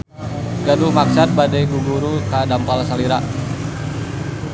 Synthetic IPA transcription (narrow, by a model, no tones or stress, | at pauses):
ɡadumaksat̪̚badajɡuɡuɾukadampalsaliɾa